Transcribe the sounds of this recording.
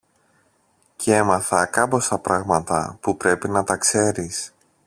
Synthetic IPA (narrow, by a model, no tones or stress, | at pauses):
ce̞mɐθɐkɐpo̞st̪ɐpɾɐɣmɐt̪ɐ̰pupɾe̞pinɐt̪ɐkse̞ɾis